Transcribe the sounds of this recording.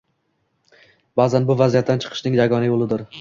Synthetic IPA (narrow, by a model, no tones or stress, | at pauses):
bazanbʊvazijat̪̚ːant͡ʃʰɨ̥qʰɨ̥ʃnɪŋjaɡɒnajolˠɪd̪ɪɾ